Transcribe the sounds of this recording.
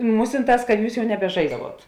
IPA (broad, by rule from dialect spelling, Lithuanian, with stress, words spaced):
ˈmuːsʲɪnˌtɑːs kɐt ˈjuːs ˈjɛʊ nʲɛbʲɛˈʒɐɪzdɐʋuɔt